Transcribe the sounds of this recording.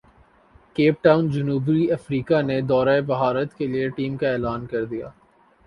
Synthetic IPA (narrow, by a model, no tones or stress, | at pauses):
keːp̚ʈaːʊnd͡ʒɐnuːbɾiɐfɾiːkaned̪ɔːɾaːebɐɦaːɾət̪kelieʈiːmkaɛːlaːnkɐɾd̪ija̰ː